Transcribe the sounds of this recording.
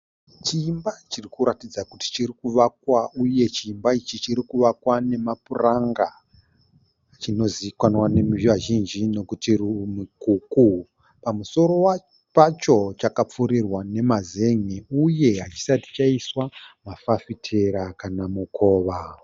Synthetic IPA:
t͡ʃiːmbat͡ʃirikuɾatid͡zakuti̥t͡ʃirikuʋak̚wauje̞t͡ʃiːmbait͡ʃit͡ʃiɾikuʋakwane̞mapuraŋɡa | t͡ʃino̞zikwanwane̞miiʋaʒind͡ʒino̞kutirimikuku | pamuso̞ɾo̞wa | pat͡ʃo̞t͡ʃakap͡fuɾirwane̞maze̞ŋeuje̞ɦat͡ʃi̥sati̥t͡ʃaiswamafafitʰe̞ɾakanamukʰo̞ːʋa

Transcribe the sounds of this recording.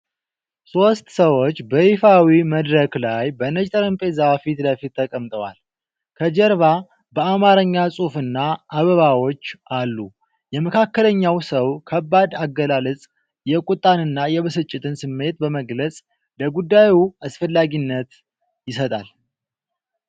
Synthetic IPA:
so̞st̪səwo̞t͡ʃːbəhifawiməd̪ɾəklajbənəd͡ʒt̪ʼəɾɨmpʼezafit̪ləfit̪ʰːəkʼəmt̪ʼəwa̰l | kʰəd͡ʒəɾβa | bəamaɾəɲːasʼufɨnːaʔaβəβawo̞t͡ʃːʔalːu | jɛməkʰakːələɲːawsəwkʰəbːad̪aɡːəlalət͡sʼ | jɛkʼut̪ʼːanɨnːajɛβɨsɨt͡ʃʼːɪt̪ʰɨnsɨmːe̞t̪bəməɡlət͡sʼ | ləɡud̪ːajuasfəlːaɡinːət̪ | jɪsət̪ʼal

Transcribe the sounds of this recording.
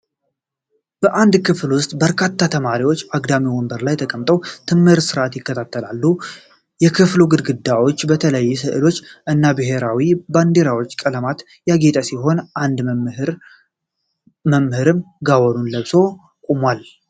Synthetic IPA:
b̥əʔand̪kʰɨflwʊst̪ʼbəɾkʰat̪ːat̪ʰəmaɾiwo̞t͡ʃːaɡd̪amiwɔmbəɾlajt̪ʰəkʼəmt̪ʼəwt̪ʰɨmhɨɾsɨɾʔat̪jɪkːət̪ʰat̪ʰːəlalːu | jɛkʰɨfluɡɨd̪ɡɨd̪awot͡ʃːbət̪ʰələjːɛs̬ɨʔɨlo̞t͡ʃːʔɨnːabɨɦe̞ɾawiband̪e̞ɾawot͡ʃːkʼələmat̪ | jaɡet̪ʼəsiɦo̞nʔand̪ɾ | məmhɨɾɨm | ɡawɔɾunləβso̞ | kʼumwal

